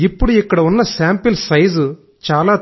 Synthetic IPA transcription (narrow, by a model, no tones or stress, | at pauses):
ipːɐɽiɛkːɐɽɐunːɐsaːmpɪlsɐjz | t͡ʃaːlaː